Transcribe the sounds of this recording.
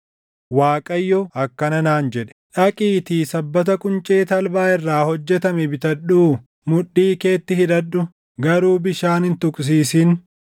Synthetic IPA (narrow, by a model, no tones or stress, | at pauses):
waːkʼɐjːɔɐkːɐnɐnaːnd͡ʒɛᶑɛ̥ᶑɐkʼiːt̪iːsɐbːɐt̪ɐkʼʊnt͡ʃʼeːt̪ɐlbaːɪrːaːhɔd͡ʒːɛt̪ɐmɛbɪt̪ɐᶑuː | mʊɗːiːke̞ːt̪ːɪhɪᶑ̪ɐᶑːʊ | ɡɐɾuːbɪʃaːnɪnt̪ʊkʼs̬iːsɪn